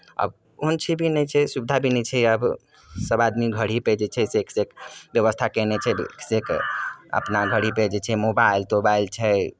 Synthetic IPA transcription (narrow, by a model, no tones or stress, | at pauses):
ə̰b | unt͡ʃʰibʱinɛt͡ʃʰɛsubd̪ʱabʱinɛt͡ʃʰɛəb | səbad̪miɡʱəɽ̤iped͡ʒet͡ʃʰɛseksekbjəβəst̪ʰakɛnet͡ʃʰɛksekə̰pnaɡʱəɽiped͡ʒet͡ʃʰɛmobailt̪obailt͡ʃʰɛ